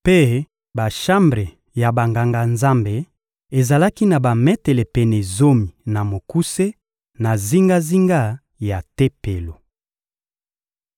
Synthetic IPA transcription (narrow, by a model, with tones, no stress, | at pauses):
pe˦ | ba˨ʃa˦mbʁe˨ | ja˨ba˨ŋɡa˨ŋɡa˨nza˦mbe˨ | e˨za˨la˦ki˦na˨ba˨mɛ˦te˨lɛ˨pɛ˨ne˨zo˦mi˨na˨mo˨ku˦se˦ | na˨zi˦ŋɡa˦zi˦ŋɡa˦ | ja˨te˦pe˨lo˨